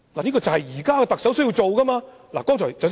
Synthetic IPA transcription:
laː˨˩iː˥kɔː˧t͡sɐ˨whɐ˨jjiː˨˩kaː˥kɛ˧t̪ɐ˨k̚sɐ˨˥ws̬ɥji˧wt͡so˨wkɐ˥maː˧ | la̰ː˨˩kɔː˥ŋt͡ʃʰɔ̰ː˨˩t͡sɐ˨ws

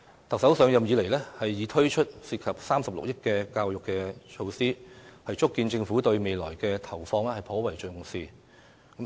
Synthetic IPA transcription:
t̪ɐ˨k̚sɐ˨˥wsœː˨˧ŋjɐ˨mjiː˨˧le˨˩jlɛ˥hɐ˨jːiː˨˧˥t̪ʰɵ˥ɥt͡ʃʰɵ˥t̚siː˧˥kʰɐ˨p̚saː˥msɐ˨p̚lʊ̰˨k̚jɪ˥kkːɛː˧kaː˧wjʊ˨kːɛː˧t͡ʃʰo˧wsiː˥hɐ˨jt͡ʃʊ˥kːiː˧nt͡sɪ˧ŋfuː˨˥t̪ɵ˧ɥme˨jlɔː˨˩jkɛː˧t̪ʰɐ˨˩wfɔː˧ŋlɛː˥hɐ˨jpʰɔː˨˥wɐ˨˩jt͡ʃɵ˧ɥŋʊ˨˩ŋsiː˧ | kɐ˨˥

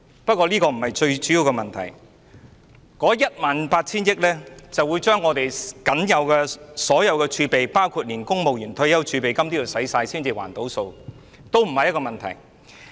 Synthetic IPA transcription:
pɐ˥t̚kʷːɔː˧liː˥kɔː˧m̩˨˩hɐ˨jt͡ʃɵ˧ɥt͡ʃyː˨˥ji˨˧wkɛ˧mɐ˨nt̪ʰɐ̰˨˩j | kɔː˨˥jɐ˥t̚maː˨npaː˧t̚t͡sʰiː˥njɪ˥k̚lɛː˥t͡sɐ˨wuː˨˧jt͡ʃœː˥ŋːɔː˨˧t̪e˨˩jkɐ˨˥njɐ˨˧wkɛ˧sɔː˨˥jɐ˨˧wkɛː˧t͡ʃʰyː˧pe˨jpaː˥wkʰuː˧t̚liː˨˩nkʊ˥ŋmo˨wjyː˨˩nt̪ʰɵ˧jɐ˥wt͡ʃʰyː˧pe˨jkɐ˥mt̪iː˥ji˨˩wsɐ˨˥jsaː˧jsiː˥nt͡siː˨wa̰ː˨˩nt̪o˨˥wso˧w | t̪o˥wm̩˨˩hɐ˨jɐ˥tkɔː˧mɐ˨nt̪ʰɐ˨˩j

